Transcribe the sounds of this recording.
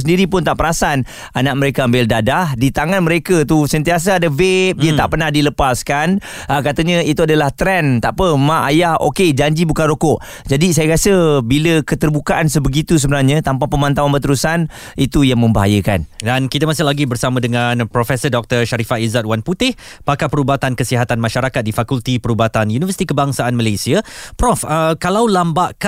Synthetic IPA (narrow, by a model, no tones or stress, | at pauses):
səndiɾipʊnt̪aʔpəɾasan | anaʔ̚məɾekaːmbɪldadahdit̪aŋanməɾekət̪usənt̪ias̬əadəvep̚diət̪aʔpərnahdiləpaskan | əkat̪əɲə̃it̪uadalaht̪ɾɛnt̪aʔpəmãʔajaho̰ked͡ʒaɲd͡ʒibukanrokɔʔ | d͡ʒadis̬ajakasəbiləkət̪ərbukaʔansəbəɡit̪us̬əbənarɲãt̪ampahpəmãnt̪awanbət̪əɾusan | it̪ujaŋmə̃mbaɦajəka̰ndankit̪əmasɪhlaɡibərsamãdəŋanpɾofɛsədɔk̚t̪ərʃaɾifaizat̪̚wanput̪ɪh | pakapəɾubat̪ankəsiɦat̪anmaʃaɾakat̪̚difakult̪ipəɾubat̪anjunivfərsi̥t̪ikəbaŋsaʔanməlajsiapɾɔfəkalawlambaʔk